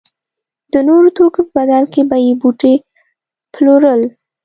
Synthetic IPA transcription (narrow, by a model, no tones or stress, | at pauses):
d̪̥ənoɾot̪okopəbad̪alkebajebuʈe | ploɾəl